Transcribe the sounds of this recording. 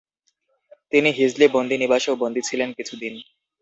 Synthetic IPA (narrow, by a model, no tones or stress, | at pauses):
t̪iniɦid͡ʑlibond̪ʱinibaʃeobond̪ʱit͡ɕʰilenkit͡ɕʰud̪in